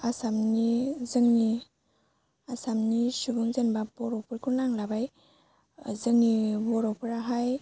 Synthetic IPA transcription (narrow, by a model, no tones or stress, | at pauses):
asamnizɯŋni | asamnisubuŋzenbabɔɾɔwpʰuɾkʰuɾnaŋlabaj | zɯŋnibɔɾɔwpʰɯɾaɦaj